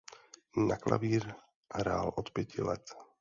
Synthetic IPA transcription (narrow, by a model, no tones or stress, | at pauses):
nakla̰ʋiːɾ | aɾaːlʔɔt̪pɪɛcilɛ̰t̪